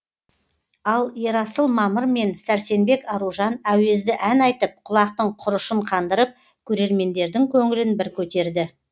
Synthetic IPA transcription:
ɑlˠje̞ɾɑsəlˠmɑməɾme̞nsæɾse̞nbe̞kɑɾuʒɑnæwe̞zd̪ɪʔænɑjt̪əp̚qʰʊlˠɑq̚t̪əɴqʰʊɾəʃəɴqʰɑnd̪əɾəp̚ | kʲʰɵɾe̞ɾme̞nd̪e̞ɾd̪ɪŋkʲʰɵŋɪlɪnbɪɾkʲʰɵt̪e̞ɾd̪ɪ

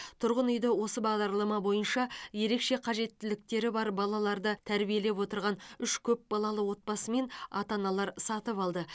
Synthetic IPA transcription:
t̪ʰʊɾʁənʏjd̪ɪwo̞səbɑʁd̪ɑɾlˠɑmɑbo̞jənʃɑje̞ɾe̞kʃe̞qʰɑʒe̞t̪ːɪlɪk̚t̪e̞ɾɪbɑɾbɑlˠɑlˠɑɾd̪ət̪ʰæɾbije̞le̞pwo̞t̪əɾʁɑnʏʃkʲʰɵp̚bɑlˠɑlˠəwo̞t̪̚pɑsəme̞nɑt̪ɑnɑlˠɑɾsɑt̪əpɑlˠd̪ə

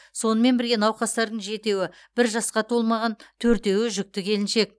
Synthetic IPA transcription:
so̞nəme̞nbɪɾɡʲe̞nɑwqɑst̪ɑɾd̪əɴʒe̞t̪e̞wɪ | b̥ɪɾʒɑsqɑt̪ʰolˠmɑʁɑnt̪ʰɵɾt̪e̞wɪʒʏk̚t̪ɪkʲʰe̞lɪnʃe̞k̚

